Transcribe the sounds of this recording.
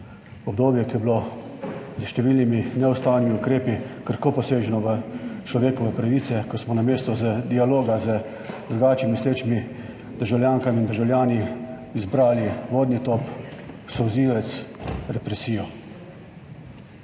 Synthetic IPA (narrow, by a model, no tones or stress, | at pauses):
ɔb̚d̪oːbjɛkijɛblo | zəʃt̪ɛʋilniminɛɔst̪aːwnimiukɾeːpikəɾkoːpɔseːʒɛnɔʋət͡ʃlɔʋeːkɔʋɛpɾaʋiːt̪sɛkɔsmɔnameːst̪ɔzəd̪ialoːɡazə | d̪ɾuɡaːt͡ʃimisleːt͡ʃmi | d̪̥əɾʒawljaːŋkamind̪əɾʒawlʲjaːniː | zbɾaːliʋoːd̪nit̪oːp | sɔwziːʋɛt̪sɾɛpɾɛsiːjɔ